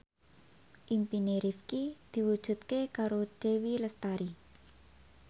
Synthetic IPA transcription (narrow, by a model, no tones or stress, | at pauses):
ʔimpineɾifkid̪̥i̤wud̥ʒ̥ṳt̪̚kekaɾod̥ewiləst̪aɾi